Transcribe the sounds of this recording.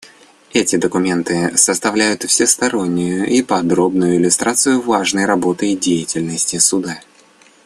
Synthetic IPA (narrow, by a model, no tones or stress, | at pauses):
ɛtʲɪd̪əkʊmʲe̞nt̪ɨsəst̪ɐvlʲæjʊt̪fsʲɪst̪ɐɾo̞nʲːʊjʊʔipɐd̪ɾo̞bnʊjʊɪlʲʊst̪ɾat̪sɨjʊvaʐnəjɾɐbo̞t̪əjdʲejɪtʲɪlʲnəsʲtʲɪsʊd̪a